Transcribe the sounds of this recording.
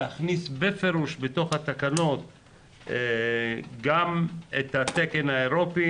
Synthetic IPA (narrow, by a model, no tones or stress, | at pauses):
aχnisbefeɾuʃbet̪o̞χhat̪akano̞t̪ | ɡamet̪hat̪eke̞nhaeɾo̞pi